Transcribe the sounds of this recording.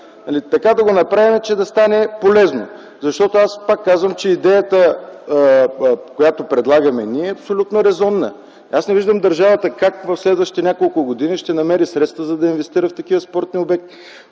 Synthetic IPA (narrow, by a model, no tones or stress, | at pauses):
nɐlit̪ɐkad̪ɐɡonɐpɾavimɛt͡ʃɛd̪ɐst̪anɛpolɛzno̰ | zɐʃt̪ɔt̪oaspakːazvəmt͡ʃɛid̪ɛjət̪ə | kojat̪opɾɛd̪lˠaɡəmɛniɛːɐpsolʲut̪noɾɛzɔnːə̰ | asnɛviʒd̪əmd̪ɐɾʒavət̪əkakvɐfslɛd̪vəʃt̪it̪ɛnʲakolˠkʊɡod̪iniʃt̪ɛnɐmɛɾisɾɛt̪st̪vəzɐd̪ɐinvɛst̪iɾəft̪ɐkivəspɔɾt̪niobɛk̚t̪